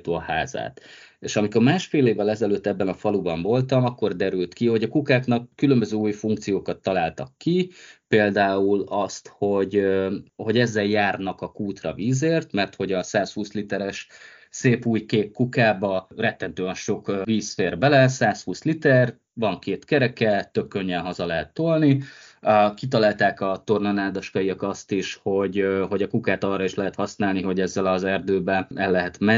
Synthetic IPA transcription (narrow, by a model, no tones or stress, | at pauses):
t̪oɒha̰ːza̰ːt̪eːʃɒmiko̞rmaːʃfeːleːvːɛlɛzɛløːt̪ːɛbːɛnɒfɒlubɒɱvo̞lt̪ɒmɒkːo̞rd̪ɛɾylt̪kiho̞ɟɒkukaːknɒkːylømbøzøːuːjfuŋk̚t̪sijoːkɒt̪ːɒlaːlt̪ɒkːipeːld̪aːulɒst̪ho̞ɟ | ho̞ɟɛzːɛljaːrnɒkɒkuːt̪rɒ̰viːzeːrt̪mɛrt̪ho̞ɟɒsaːshuːslit̪ɛɾɛʃ | seːpuːjkeːkkukaːbɒrɛt̪ːɛnt̪øːɛnʃo̞kviːsfeːrbɛlɛsaːshuːslit̪ɛr | vɒŋkeːt̪kɛɾɛkɛt̪ø̞kːø̞ɲːɛnɦɒzɒlɛɦɛt̪ːolni | kit̪̬ɒlaːlt̪aːkɒt̪o̞rnɒnaːd̪ɒʃkɒijɒkɒst̪iʃho̞ɟɦoɟɒkukaːt̪ɒːrːɒiʃlɛɦɛt̪hɒsnaːlniɦo̞ɟɛzːɛlɒzɛrd̪øːbɛʔɛlːɛɦɛt̪mɛ